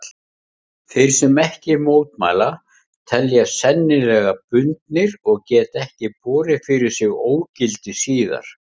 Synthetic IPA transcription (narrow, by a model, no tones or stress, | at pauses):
θejɾ̥sɛmɛhcɪmoːwt̪ma̰ːla | t̪ʰɛljasɛnːɪlɛːɣapʏnt̪nɪɾɔɣcɛːt̪ɛhcɪpɔːɾɪfɪɾɪɾ̥sɪɣoːwcɪlt̪ɪsiːða̰ɾ̥